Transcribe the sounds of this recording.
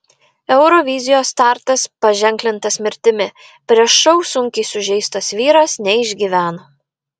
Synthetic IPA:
ɛʊɾɔʋʲɪzʲɪjoːst̪ɑˑɾt̪ɐspɐʒʲɛŋʲklʲɪnt̪ɐsmʲɪɾʲt̪ʲɪmʲɪ | pʲɾʲiɛʃʃɔʊsʊŋʲkʲɪsʊʒʲɛɪst̪ɐsʋʲiːɾɐsnʲɛɪʒʲɡʲiːʋʲæːno

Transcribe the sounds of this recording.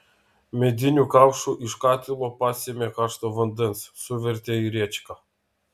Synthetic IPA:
mɛd̪ʲinʲukawʃuʔiʃkat̪ʲilˠɔpasʲimʲɛkaʃt̪ɔvənd̪ənssuvʲɛɾʲt̪ʲɛiɾʲɛt͡ʃka

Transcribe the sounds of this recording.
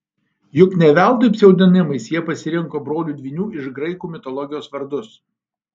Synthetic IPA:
jʊknʲɛʋʲæˑʊd̪opʲsʲɛʊd̪ʲɪnʲɪmɐɪsjiɛpɐsʲɪɾʲɪŋkoːbɾoːlʲuːd̪ʲʋʲinʲuːɪʃɡɾɐɪkuːmʲɪt̪ɔlˠɔɡʲɪjoːsʋɐɾd̪ʊs

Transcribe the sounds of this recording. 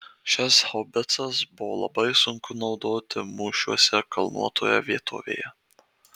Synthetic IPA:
ʃʲɪshobʲɪt̪sɐsbʊʋoːlˠɐ̰bɐɪsʊŋkʊnɒʊd̪oːt̪ʲɪmuːʃʲuɔsʲɛkɐlˠnṵɔt̪ʰoːjɛ̰ʋʲiɛt̪ʰo̰ːʋʲḛːjɛ

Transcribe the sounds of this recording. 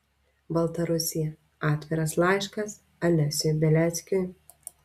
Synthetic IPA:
bɐlˠt̪ɐɾʊsʲɪjɛ | ɑːt̪ʲʋʲɪɾɐslˠɑˑɪʃkɐs | ɐlʲɛsʲʊjbʲɛlʲæt̪sʲkʲʊj

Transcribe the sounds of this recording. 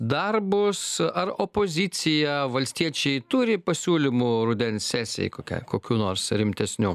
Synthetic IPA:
d̪ɐrbʊsɐɾopoːzʲɪt̪sʲɪjɛʋɐlʲsʲt̪ʲiɛt͡ʃʲɛɪt̪uɾʲɪpɐsʲuːlʲɪmuɾʊd̪ʲɛnʲssʲæːsʲɛ̰jkoːkʲɛ̰ɪkoːkʲuːnoːɾsɾʲɪmʲt̪ʲɛsʲnʲuː

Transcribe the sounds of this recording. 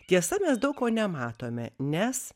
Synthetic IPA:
t̪ʲiɛsɐmʲɛsd̪ɐʊkkoːnʲɛmɑːt̪oːmʲɛ̰nʲɛs

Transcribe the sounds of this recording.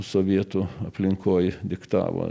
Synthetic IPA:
soʋʲiɛt̪ʊɐpʲlʲɪŋkʰoːjd̪ʲɪkt̪ɑ̰ːʋo̰ː

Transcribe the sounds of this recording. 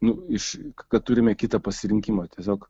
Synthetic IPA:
nʊɪʃkkɐt̪̚t̪uɾʲɪmʲɛkʲɪt̪ɐpɐsʲɪɾʲɪŋʲkʲimoːt̪ʲiɛsʲoːk

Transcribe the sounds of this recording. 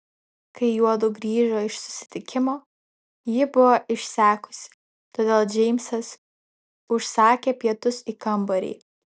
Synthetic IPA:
kɐɪjuɔd̪ʊɡɾʲiːʒoːɪʃsʊ̥sʲɪ̥t̪ʲɪkʲɪmoː | jɪbʊʋoɪʃʲsʲæːkʊ̥sʲɪ̥ | t̪oːd̪ʲeːlˠd͡ʒʲɛɪmʲsɐs | ʊʃsɑːkʲeːpʲiɛt̪ʊsikɐmbɐɾʲḭː

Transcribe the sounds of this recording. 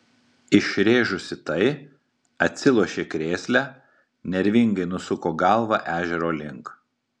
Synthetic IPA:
ɪʃʲɾʲeːʒʊsʲɪt̪ɐɪ | ɐt̪ʲsʲɪlˠuɔʃʲeːkɾʲeːsʲlʲæ | nʲɛɾʲʋʲɪŋɡɐɪnʊsʊkoːɡɐˑlˠʋɑʔæːʒʲɛɾoːlʲɪŋk

